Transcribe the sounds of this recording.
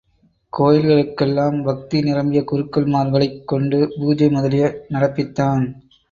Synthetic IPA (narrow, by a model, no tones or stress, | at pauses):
koːjɪlɣɐɭɯkːɛlːaːmbɐk̚t̪inɪɾɐmɪjɐkʊɾɯkːɐlmaːɾɣɐɭɐɪkːɔɳɖɯbuːd͡ʒɐɪmʊðɐlɪjɐnɐɽɐpːɪt̪ːaːn